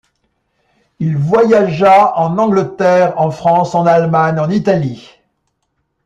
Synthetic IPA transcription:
ilvwajaʒaɑ̃nɑ̃ɡlət̪ɛʁɑ̃fχɑ̃sɑ̃nalmaɲɑ̃nit̪ali

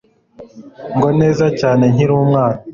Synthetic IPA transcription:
ŋɡo̞ne̞ːzacaːne̞ɲiɾuːmŋaːna

